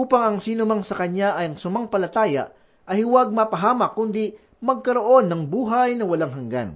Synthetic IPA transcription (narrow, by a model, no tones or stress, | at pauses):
uːpɐŋɐŋsiːnʊmɐŋsɐkɐɲaʔɐjɐŋsʊmaŋpɐlɐt̪aːjɐ̰ʔ | ʔɐhɪwaɡ̚mɐpɐɦaːmɐkːʊnd̪i | mɐɡ̚kɐɾoʔo̞nːɐŋbuːɦɐjnɐwɐlaŋɦɐŋɡa̰n